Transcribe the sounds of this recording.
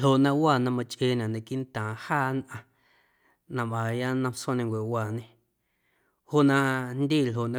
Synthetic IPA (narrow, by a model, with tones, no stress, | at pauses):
o˨nã˧waː˧˨nã˧mã˧t͡ʃʔe˧˨nã˨nã˨ki˦ʔnt̪ãː˨haː˦˨nʔã˧ | nã˧mã˨ja˦nã˧msõ˦˨nẽ˧ŋkʷe˨waː˧˨nẽ˧ | ho˦ʔnã˧nd̪iː˦˨lɦo˨nã˦